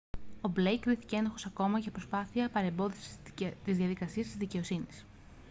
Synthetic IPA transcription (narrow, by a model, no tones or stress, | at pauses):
o̞blejkɾiθi̥cee̞noxo̞sɐko̞mɐʝɐpɾo̞spɐθiɐpɐɾe̞mbo̞ðisi̥t̪izðiɐðikɐsiɐst̪izðice̞o̞sinis